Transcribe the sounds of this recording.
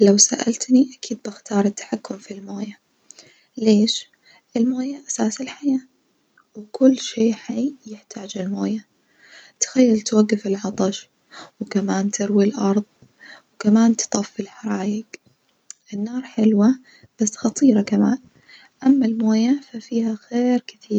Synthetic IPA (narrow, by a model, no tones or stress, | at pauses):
lawsa̰ʔa̰lt̪niʔakʰiːd̪̚bɪxt̪ɑːɾˤɪt̪ːḁħakːʊmfilmoːja | leːʃ | ʔɪlmoːjaʔasaːsɪlħajaː | wɪkʊlːʃeːħajːjɪħt̪ʰaːd͡ʒɪlmoːja | t̪xajːalt̪waɡːɪfɪlʕɑt̪ˤɑʃ | wkamaːnt̪ʰɪɾwilʔɑɾˤðˤ | wkamaːnt̪ɨ̥t̪ˤɑfːɪlħɑɾˤɑːjɪɡ | ʔɪnːɑːɾˤħɪlwa | b̥asːxɑt̪ˤiːɾɑkamaːn | ʔamːalmoːjafafiːhaxeːɾkɪθiːɾ